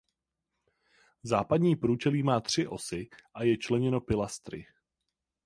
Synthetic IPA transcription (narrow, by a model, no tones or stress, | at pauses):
zaːpadɲiːpɾuːt͡ʃɛliːmaːt̪r̝̥ɪʔo̞̰sɪʔajɛt͡ʃlɛɲɛno̞pɪlast̪ɾɪ̰